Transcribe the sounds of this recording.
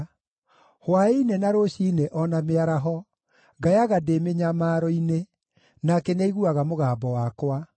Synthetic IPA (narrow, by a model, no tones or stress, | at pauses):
hwaeinenaɾoɕineʔɔnameaɾaɦɔ | ɡajaɣademeɲamaɾɔine | nakɛnɛiɣuaɣamoɣaːmbɔwakwa